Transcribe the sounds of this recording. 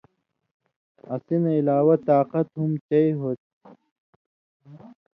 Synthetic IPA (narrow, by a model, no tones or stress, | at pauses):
ɐsineilaːwɐt̪aːqɐt̪ɦumt͡ɕɐiɦoːt̪̚